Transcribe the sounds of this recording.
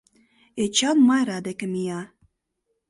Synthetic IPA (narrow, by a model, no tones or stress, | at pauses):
et͡ɕɑnmɑjɾɑd̪ekɘ̆mijɑ